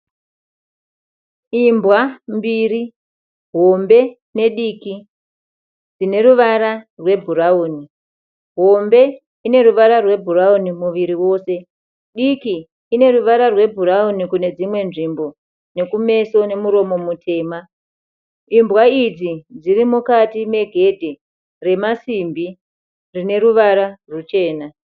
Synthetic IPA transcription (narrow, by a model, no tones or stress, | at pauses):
imbwambiri | ɦombe̞ | ne̞ɗiki | d͡zine̞ɾuʋaɾarwe̞bʱuɾauːni | ɦo̞mbe̞ | ine̞ɾuʋaɾarwe̞bʱuraunimuʋiɾiwo̞se̞ | ɗikiː | ne̞ruʋaɾarwe̞bʱuɾaunikune̞d͡zimwe̞nʐimbo̞ | ne̞kume̞so̞ne̞muɾo̞mo̞mutʰe̞ːma | imbwaid͡zid͡zirimukatime̞ɡʱe̞dʱe | re̞masimbi | rine̞ɾuʋaɾarut͡ʃe̞ːna